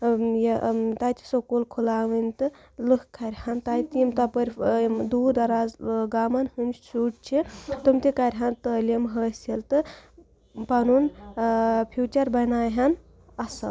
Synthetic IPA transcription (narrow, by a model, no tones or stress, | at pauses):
jet̪ajt̪ʰi̥sokulkʰulaːʋɨnʲt̪ɨ | lɨhkʰːɐɾʲhant̪ajt̪imt̪ɐpəɾʲd̪uːd̪ɐɾaːzɡaːmɐnhɨnʲt͡ʃuːʈ̚t͡ʃʰit̪umt̪ʲikɐɾʲɦant̪əlʲimɦəsilt̪ɨ | pɐnun | pʰjuːt͡ʃɐɾbɐnaːjɦɐn | ɐsɐ̰